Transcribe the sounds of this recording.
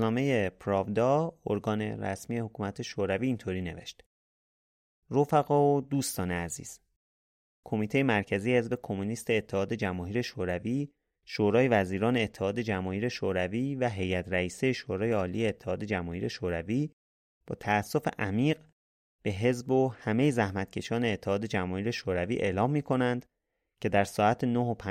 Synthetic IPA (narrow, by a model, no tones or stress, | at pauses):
uznɒːme̞je̞pʰɾɒːvd̪ɒːo̰ɾɡɒːne̞̰ɾæ̰smijehokʰuːmæt̪ʰe̞ʃoːɾæviːnt̪ʰoːɾiːne̞vḛʃt̪ | ɾofæɣɒod̪uːst̪ɒːneæzḭːz̥ | kʰo̞miːt̪ʰe̞je̞mæɾcʰæzijehe̞zbe̞kʰo̞muniːst̪e̞ːt̪ʰːe̞hɒːd̪e̞d͡ʒæmɒːɦiːɾe̞ʃoːɾæviː | ʃoːɾɒːje̞væziːɾɒːne̞ːt̪ʰːehɒːd̪e̞d͡ʒæmɒːhiːɾe̞ʃoːɾæviːvæɦe̞jæt̪ʰɾæiːsejeʃoːɾɒːjeɒːlijeet̪ʰːehɒːd̪e̞d͡ʒæmɒːiːɾe̞ʃoːɾæviː | b̥ɒːt̪ʰæːsːo̞feʔæmiːɢ | b̥e̞ɦe̞zbohæme̞jezæhmæt̪cʰe̞ʃɒːneːt̪ʰːehɒːd̪e̞d͡ʒæmɒːhiːɾe̞ʃoːɾæviːʔe̞̰ːlɒːmːiːkʰo̞nænd̪̥ | cʰe̞d̪æɾsɒːæt̪ʰenoɦopʰ